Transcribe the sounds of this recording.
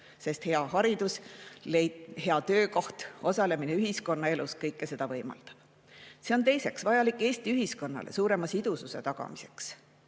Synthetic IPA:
se̞st̪he̞ɑhɑɾid̪̥uslejhe̞ɑt̪ø̞ːko̞ht̪o̞sɑle̞mine̞yɦisko̞nːɑe̞luskɤjkːˑese̞d̪ɑvɤjmɑ̰ld̪̥ɑ̥b̥ | se̞o̞nt̪e̞jse̞ksvɑjɑlikːˑeːsʲt̪iyɦisko̞nːɑ̰lʔe̞̰suːɾe̞mɑsid̪̥ususe̞t̪ɑɡ̥ɑ̰mise̞̥ks

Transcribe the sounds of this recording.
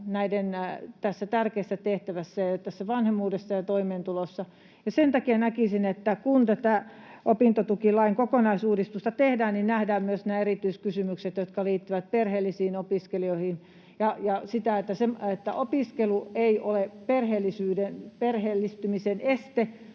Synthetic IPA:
næident̪æsːæt̪ærkeːsːæt̪eht̪æʋæsːæjjot̪æsːæʋɑnhemːuːdesːɑjɑt̪oimeːnt̪ulosːɑ | jɑsent̪ɑkiɑnækisinet̪ːækunt̪æt̪æʔopint̪ot̪ukilɑiŋkokonɑisuːdist̪ust̪ɑt̪ehdæːnninnæhdæːmmyøsneerit̪yiskysymykset̪jot̪kɑliːt̪ːyʋæt̪̚perheːlːisiːnopiskelioihin | jɑjɑsit̪æet̪ːæsemet̪ːæʔopiskelueiʔoleperheːlːisyːdenperheːlːist̪ymisenest̪e

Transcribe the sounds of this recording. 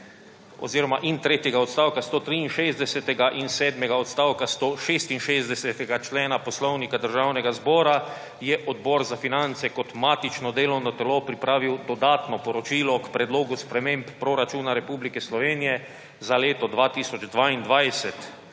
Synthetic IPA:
ɔ̰ziːɾɔmaʔint̪ɾeːt̪jɛɡaɔt̪st̪aːwkast̪oːt̪ɾiinʃezd̪ɛsɛt̪ɛɡaʔinsɛːd̪mɛɡaɔt̪st̪aːwkast̪oːʃest̪inʃezd̪ɛsɛt̪ɛɡat͡ʃlɛːnapɔslɔwnikad̪əɾʒawnɛɡazbɔːɾa | jɛʔɔd̪bɔɾzafinant̪sɛkɔt̪maːt̪it͡ʃnɔd̪eːlɔwnɔt̪ɛlopɾipɾaːʋiwd̪ɔd̪aːt̪nɔpɔɾɔt͡ʃiːlɔkpɾɛd̪loːɡuspɾɛmempːɾɔɾat͡ʃuːnaɾɛpublikɛslɔʋeːnijɛ | zaleːt̪ɔd̪ʋaːt̪iːsɔd͡ʒd̪ʋaind̪ʋajsɛt̪

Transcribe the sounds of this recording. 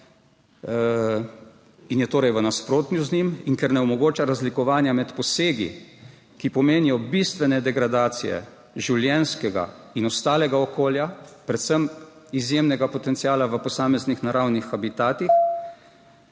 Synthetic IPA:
injɛt̪oːɾɛjʋənaspɾoːt̪njuznimiŋkɛɾnɛɔmɔɡoːt͡ʃaɾazlikɔʋaːnjamɛt̪pɔseːɡḭ | kipɔmeːnijɔbist̪ʋɛnɛd̪ɛɡɾad̪aːt̪sijɛ̰ | ʒiwljɛnskɛɡa̰inɔst̪aːlɛɡaɔkoːljapɾɛt̪səmizjemnɛɡapɔt̪ɛnt̪siaːlaʋəpɔsaːmɛznixnaɾawnixabit̪aːt̪ix

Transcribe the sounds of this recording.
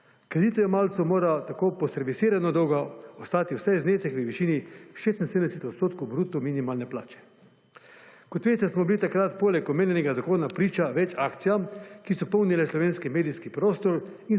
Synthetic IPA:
kɾed̪iːt̪ɔjɛmaːlt̪sumoːɾat̪akoːpɔsɛɾʋisiːɾanɔd̪ɔwɡaɔst̪aːt̪iwsɛjzneːsɛxʋəʋiʃiːniʃeːst̪in̩sed̪m̩nd̪ɛsɛt̪ɔt̪st̪oːt̪̚kowbɾut̪ɔminimaːlnɛpla̰ːt͡ʃɛ̥ | kɔt̪ʋeːst̪ɛsmɔbilit̪akɾat̪poːlɛkɔmeːnjɛnɛɡazakoːnapɾiːt͡ʃaʋɛt͡ʃaːkt̪sijamkisɔpɔwnilɛslɔʋeːnskimeːd̪iskipɾoːst̪ɔɾin

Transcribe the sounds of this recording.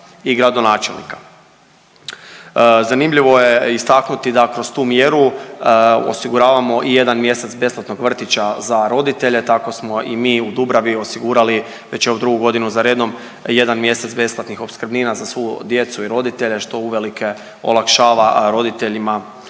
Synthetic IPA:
iɡɾad̪onaːt͡ʃe̞̰lˠnḭkḁ | zanimʎiʋo̞je̞ist̪aknut̪id̪akɾo̞st̪uːmje̞ɾu | o̞̰siɡuɾaːʋamo̞ʔije̞d̪anmje̞se̞t̪sbe̞splˠat̪no̞ɡʋr̩t̪it͡ɕazaɾo̞d̪it̪e̞ʎe̞t̪ako̞smo̞ʔimiːud̪ubɾaʋio̞siɡuːɾali | ʋe̞t͡ɕeud̪ɾuɡuɡo̞d̪inuzaɾeːd̪o̞m | je̞d̪anmje̞set̪sbe̞splˠat̪nixo̞pskrbniːnazasʋojud̪je̞t̪suiɾo̞d̪it̪e̞ʎe̞ʃt̪o̞uʋe̞likʰe̞ | o̞̰lˠakʃaːʋaɾo̞d̪it̪e̞ʎima

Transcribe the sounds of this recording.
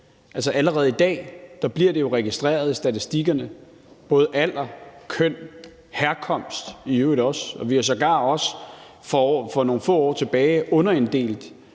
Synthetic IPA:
ʔælsɐʔæləʁɛːð̞̩ˠid̥ɛ̰ːd̥ɑ̈b̥liɐ̰ɾ̥e̝jo̝ʁɛɡ̥isd̥ʁɛ̰ːɐð̞ˠisd̥æt͡sʰisd̥iɡ̥ɐnə | b̥ɔ̽ːð̞̩ˠæl̰ɐkʰøn̰ | hæɐkʰɒ̽m̰sd̥iødɒ̽sɒ̽ʋiæs̬ɒ̽ɡ̥ɑ̈ːɒ̽s | fɒfɒ̽no̝ːn̩fɔ̰̽ːɒ̰ːt͡sʰe̝b̥ɛːɪʔɔ̽nɐe̝nd̥e̝̰ːl̥

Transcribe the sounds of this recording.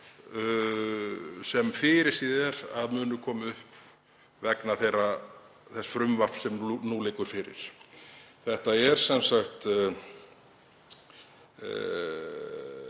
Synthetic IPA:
sɛmfɪːɾɪɾ̥siðɛɾaðmʏːnʏkʰɔːmʏhp | vɛknaθejra | θɛsːfɾʏmvar̥psɛmnuːlɪːkʏɾ̥fɪɾɪ̰ɾ̥ | θɛht̪aɛɾ̥sɛnsaxt̪

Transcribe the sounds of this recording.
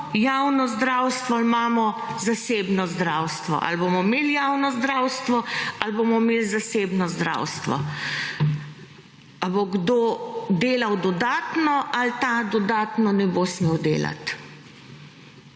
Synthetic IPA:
jaːwnɔzd̪ɾawst̪ʋɔalmaːmɔzaseːbnɔzd̪ɾaːwst̪ʋɔ̰ʔa̰lbomɔmeljaːwnɔzd̪ɾaːwst̪ʋɔalboːmɔmeːlzaseːbnɔzd̪ɾa̰wst̪ʋɔ̰ | aboɡd̪oːd̪eːlawd̪ɔd̪aːt̪nɔʔalt̪ad̪ɔd̪aːt̪nɔnɛbosmeːwd̪eːla̰t̪

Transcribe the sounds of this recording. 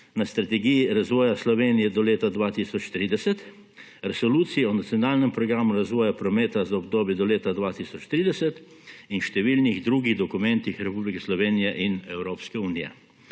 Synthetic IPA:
nast̪ɾat̪ɛɡijiɾazʋɔːjaslɔʋeːnijɛd̪ɔleːt̪ad̪ʋaːt̪isɔt͡ʃt̪ɾiːd̪ɛsɛt̪ | ɾɛsɔluːt̪siiɔnat̪sijɔnaːlnɛmpɾɔɡɾaːmuɾazʋɔːjapɾɔmɛːt̪azaɔbd̪oːbjɛd̪ɔleːt̪ad̪ʋaːt̪isɔt͡ʃt̪ɾiːd̪ɛsɛt̪ | inʃt̪ɛʋilniɣd̪ɾuːɡiɣd̪ɔkumɛnt̪ixɾɛpublikɛslɔʋeːnijɛʔinɛwɾoːpskɛuːnijɛ̰

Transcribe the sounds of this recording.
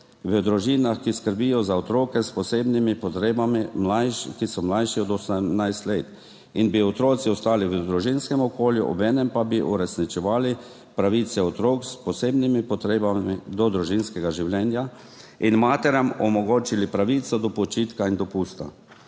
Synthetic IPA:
ʋəd̪ɾuʒiːnaxkiskəɾbijɔzaɔt̪ɾoːkɛspɔseːbnimipɔt̪ɾebamimakisɔmlajʃiɔd̪ɔsmnajst̪leːt̪ | inbiɔt̪ɾoːt̪siɔst̪aːliʋəd̪ɾuʒinskɛmɔkoːljuʔɔ̰bɛːnɛmpabiʔuɾɛsnit͡ʃɛʋaːli | pɾaʋit̪sɛɔt̪ɾoːkspɔseːbnimipɔt̪ɾeːbaid̪ɔd̪ɾuʒinskɛɡaʒiwlɛːnja | inmaːt̪ɛɾjamɔmɔɡoːt͡ʃilipɾaʋiːt̪sɔd̪ɔpɔt͡ʃit̪kaind̪ɔpuːst̪a̰

